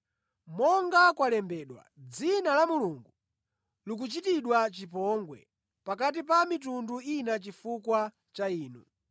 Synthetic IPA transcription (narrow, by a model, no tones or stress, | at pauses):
mɔŋɡakwalɛmbɛɗwa̰d͡zinalamuluŋɡu | luk̬ut͡ʃitiɗwat͡ʃipɔŋɡwɛ̰ | pakat̬ipamit̬unduinat͡ʃifukwa | t͡ʃaiːnṵ